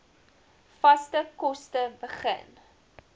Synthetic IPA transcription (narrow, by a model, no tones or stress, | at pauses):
fɐstəkɔstəbəχə̰n